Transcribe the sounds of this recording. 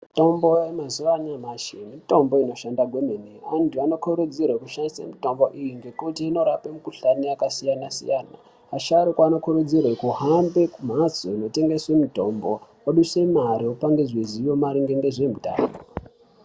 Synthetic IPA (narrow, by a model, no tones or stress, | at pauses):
mito̞mbo̞jemazuʋaɲamaʃemito̞mbo̞ino̞ʃandaɡʱwe̞meneantuano̞kʰoɾud͡zirwekuʃandisa̰mito̞mbo̞ʔijiŋɡe̞kutiːno̞ɾapemukuɬaniakasijanasḭjana̰ː | ʃaɾikwano̞kurud͡zirwekuɦambekum̤at͡soino̞te̞ŋɡe̞swe̞mito̞mbo | oɗuse̞maɾiopaŋɡe̞ʐezijo̞maɾiŋɡe̞ŋɡe̞ʐe̞muta̰ːno